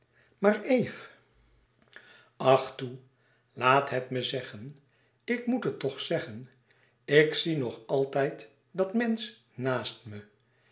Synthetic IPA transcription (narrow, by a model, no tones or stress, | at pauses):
maːɹejf | ɑχtu | laːtɦɛtməzɛχən | ɪkmutətːɔχsɛχən | ɪksinɔχɑlˠtɛjt | dɑtmɛns | naːstmə